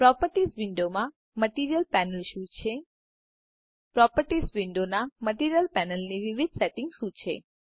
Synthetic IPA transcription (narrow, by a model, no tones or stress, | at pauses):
pɾɔpəɾʈisʋɪɳɖomã | məʈiɾijəlpɛnəlʃũt͡ʃʰe | pɾɔpəɾʈisʋɪɳɖonaməʈiɾijəlpɛnəlniʋiʋid̪̚ʱsɛʈɪŋɡʃũt͡ʃʰḛ